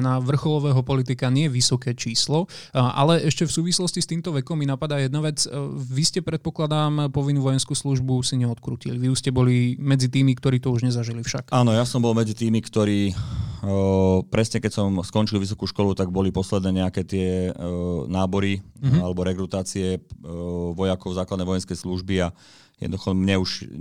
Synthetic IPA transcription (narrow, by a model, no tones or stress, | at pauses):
naʋr̩xɔlɔʋɛːɦɔpɔlit̪ikaɲɪɛʋisɔkɛːt͡ʃiːslɔ | ʔa̰lɛʔɛʃcɛfsuːʋislɔscist̪iːmt̪ɔʋɛkɔmːinapad̪aːjɛd̪naʋɛt͡sʋiscɛpɾɛt̪̚pɔklad̪aːmpɔʋinuːʋɔjɛnskuːsluʒbusiɲɛɔt̪kɾṵːciliʋiuscɛbɔlimɛd͡zit̪iːmikt̪ɔɾiːt̪ɔuʒɲɛzaʒilifʃakʔaːnɔjasɔmbɔlmɛd͡zit̪iːmikt̪ɔɾiː | pɾɛsɲɛkɛcsɔmskɔnt͡ʃilʋis̬ɔkuːʃkɔlut̪aɡ̚bɔlipɔslɛd̪nɛːɲɛakɛːt̪ɪɛ | naːbɔɾialɛbɔɾɛɡɾut̪aːt͡siɛ | ʋɔjakɔʊzaːklad̪nɛʋɔjɛnskɛjsluʒbia | jɛ̰d̪nd̪uxɔmɲɛuʒ